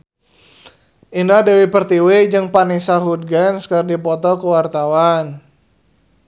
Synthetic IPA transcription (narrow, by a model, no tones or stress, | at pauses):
ʔindahdewipərt̪iwed͡ʒɨŋpanisaɦud̪̚ɡanskərdipɔt̪ɔkəwart̪awan